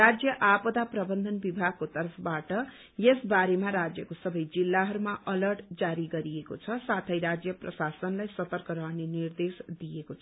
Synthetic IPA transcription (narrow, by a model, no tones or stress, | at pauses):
rad͡zjʌʔapʌd̪aprʌbʌnd̪ʱʌnbibʱaɡ̚kot̪ʌɾʌpʰʌbaʈʌ | jesbaɾemaɾad͡zjʌkosʌbʌjd͡zilːaɦʌɾumaʌlʌrʈd͡zaɾiɡʌɾieko̰t͡sʰʌsat̪ʰʌjɾad͡zjʌprʌsasʌnlajsʌt̪ʌrkʌɾʌɦnenird̪esd̪ijekot͡sʰ